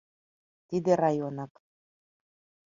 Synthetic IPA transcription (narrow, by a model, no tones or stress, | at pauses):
t̪id̪ĕɾɑjonɑk